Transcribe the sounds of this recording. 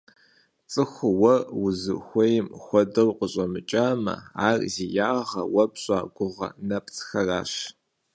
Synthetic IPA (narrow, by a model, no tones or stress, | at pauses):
t͡sʼɨxʷʊwɐrwʊzɨ̰xʷɔjɪmxʷɔdɐwqəɕʼɐmɨt͡ʃʼaːmɐ̰aːrzijaːʁɐwɐpɕʼaːɡʷʊʁɐ̰nɐpʰt͡sʰʼxɐraːɕ